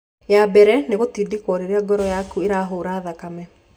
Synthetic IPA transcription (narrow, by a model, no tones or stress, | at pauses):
jabɛɾɛneɣotidikwɔɾeɾeaɡɔɾɔjakueɾaɦoːɾaːðakamɛ